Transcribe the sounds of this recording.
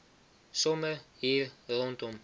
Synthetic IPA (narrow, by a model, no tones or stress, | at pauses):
sɔməhiːɾrɔntɔm